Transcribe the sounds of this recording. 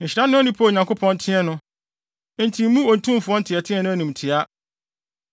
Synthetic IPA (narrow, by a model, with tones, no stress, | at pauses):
ɲ̩˨ɕi˨ɾa˦nʊ̃˦ɔ˦nĩ˦pʰo˦˨ɲã˨ŋkʰo˦pʰɔ̃˦ntʰɪ̃˦ɛ˦nʊ̃˦ | n̩˦tʰĩ˨m̩˦mũ˦o˨n̩˨tʰũ˦m˦fʊ˨ɔ̃˦n̩˦tʰɪ˨ɛ˨tʰɪ̃˦ɛ˦nʊ̃˦æ˦nĩ˨mtʰɪ˨a˦